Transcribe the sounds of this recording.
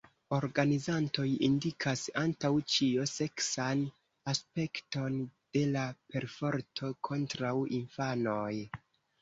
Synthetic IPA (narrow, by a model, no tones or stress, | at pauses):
o̞ɾɡanizanto̞jindikʰasantawt͡ʃiose̞ksan | aspe̞kto̞nd̥e̞lape̞ɾfo̞ɾtʰo̞kʰo̞ntɾawinfano̞j